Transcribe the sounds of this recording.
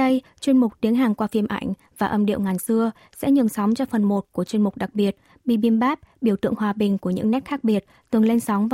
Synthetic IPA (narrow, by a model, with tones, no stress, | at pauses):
ə˧j | t͡ɕwi˧ənmʊ˨˩k͡p̚t̪i˨˦ənɦaː˨˩ŋkwaː˧fi˧əmʔa˧˩jŋ̟ | vaː˨˩ʔə˧mɗḭ˧˨əwŋaː˨˩nsɨ˧ə | sɛ̰˧˥ɲɨ˨˩ŋsɔ˨˦wŋ͡mt͡ɕɔ˧fə˨˩nmo˨˩t̚ku˧˩ət͡ɕwi˧nmʊ˨˩k͡p̚ɗa˨˩k̚ɓi˨˩ət̚ | ɓḭ˧˨ɓi˧˩mɓaː˦˥p̚ɓi˧˩əwt̪ɨ̰˧˨əŋhwaː˨˩ɓï˨˩ŋ̟ku˧˩əɲɨ̰˧˥ŋnɛ˦˥t̚xaː˦˥k̚ɓi˨˩ət̚t̪ɨ˨˩ŋle˧nsɔ˨˦wŋ͡m